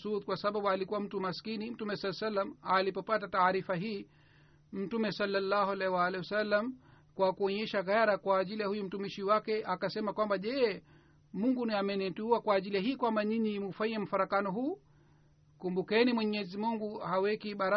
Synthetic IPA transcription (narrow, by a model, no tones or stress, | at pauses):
ut̪kwasaɓaɓualikuwam̩tumaskinim̩tumɛsɔlːasalːamalipɔpatataːɾifaɦiː | m̩tumɛsalːalːahualɛwalɛwasalːam | kwakuɔɲɛʃaɣaɾakwaːʄilijahujum̩tumiʃiwakɛʔakasɛmakwambaʄɛ | muŋɡunamɛnɛtuuakwaːʄilijaɦiːkwambaniɲimufaiɛm̩faɾakanɔɦuː | kumbukɛnimwɛɲɛzimuŋɡuhawɛkiɓaɾa